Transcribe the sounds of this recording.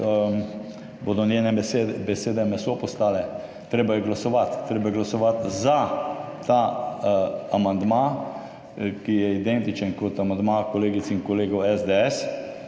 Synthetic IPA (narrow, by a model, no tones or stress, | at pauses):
bod̪ɔnjeːnɛebɛseːd̪ɛmɛsopɔst̪aːlɛ | t̪ɾeːbajɛɡlasɔʋat̪ːɾeːbajɛɡlasɔʋat̪zat̪a | amand̪ma | kijɛid̪ɛnt̪it͡ʃənkɔt̪amand̪makɔleːɡit̪siŋkɔleːɡɔwɛzd̪eɛs